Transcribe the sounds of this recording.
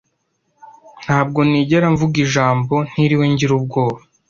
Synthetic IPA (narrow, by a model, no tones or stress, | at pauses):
n̥haːbɡo̞niːɟeɾaɱvuɡiʒaːmbo̞n̥hiɾiweɲɟiɾub̚ɡo̞ːβa